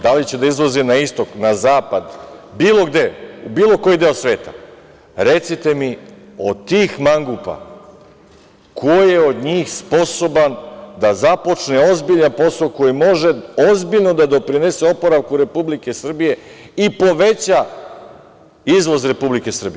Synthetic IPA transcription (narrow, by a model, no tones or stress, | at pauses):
d̪alit͡ɕe̞d̪aizʋozinaist̪o̞knazaːpad̪biːlˠo̞ɡd̪e̞ubiːlˠo̞ko̞jid̪e̞osʋe̞ːt̪a̰ | ɾe̞t̪sit̪e̞miot̪iːxmaŋɡupa̰ | kʰojeo̞d̪ɲiːxspo̞so̞band̪azapo̞t͡ʃneo̞zbiʎanpo̞soko̞jimo̞ʒe̞o̞zbiʎno̞d̪ad̪o̞pɾine̞seopo̞ɾaʋkuɾe̞publike̞sr̩bije̞ | ipo̞ʋe̞t͡ɕa | izʋo̞zɾe̞publike̞sr̩bi